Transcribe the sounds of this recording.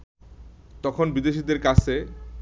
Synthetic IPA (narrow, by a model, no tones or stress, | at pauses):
t̪ɔkʰonbid̪eʃid̪eɾkat͡ɕʰe